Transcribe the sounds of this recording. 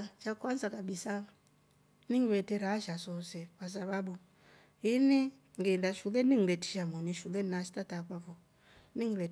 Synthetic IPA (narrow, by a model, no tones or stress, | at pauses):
t͡ʃakwanzakaɓisa | niŋɛtɛɾaʃasɔsɛkas̬aɓaɓu | ini | ŋɡendaʃulɛniŋɾɛti̥ʃamɔniʃulɛnnaʃi̥tatakapɔ | niŋlɛ